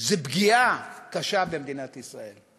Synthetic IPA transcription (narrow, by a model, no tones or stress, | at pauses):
zebɡiakaʃabemd̪inat̪isʁae̞l